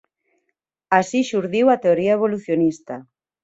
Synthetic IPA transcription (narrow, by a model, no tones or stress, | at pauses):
asiʃuɾðiwat̪eoɾiaeβ̞oluθjonist̪a